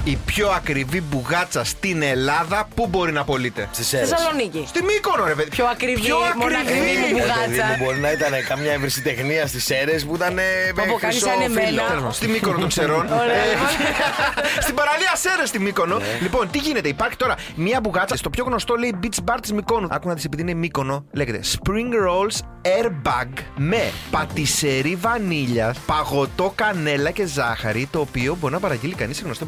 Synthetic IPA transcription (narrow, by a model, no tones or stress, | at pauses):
ipço̞ɐkɾivibuɣɐt͡sɐst̪ine̞lɐðɐpubo̞ɾinɐpo̞lit̪e̞̰st̪issɐlonicist̪imiko̞noɾepeðipçoɐkɾipvçioɐkɾiviɣpeðɐubo̞ɾinɐit̪ɐnekɐmɲɐevɾisit̪e̞xniɐst̪ise̞ɾespuit̪ɐneoɐisɐneelfost̪imikonot̪oseɾo̞n | st̪ibɐɾɐliɐse̞ɾest̪imiko̞nolipo̞nt̪iʝine̞t̪e̞ipɐɾçi̥t̪o̞ɾɐ | mɐbuɣɐt͡sɐst̪opçoɣno̞st̪o̞le̞ibit͡sbɐɾt̪smiko̞nuɐ̰kumnɐðisepiðinemiko̞no̞le̞jʝet̪e̞̰spɾiŋɡɾols | eɾbɐɡme̞pɐt̪ise̞ɾivɐniʎɐpɐɣo̞t̪o̞kɐne̞lɐce̞zɐxɐ̰ɾit̪o̞ːpio̞bo̞ɾinɐpɐɾɐɟilikɐniseɣno̞st̪o